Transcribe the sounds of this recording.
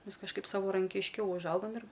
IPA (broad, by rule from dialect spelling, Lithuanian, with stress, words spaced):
ˈmʲɛs kɐʃˈkɐɪp sɐʋɐrɐŋʲkʲɪʃʲˈkʲɛʊ ʊʒˈɐʊɡɐm ɪr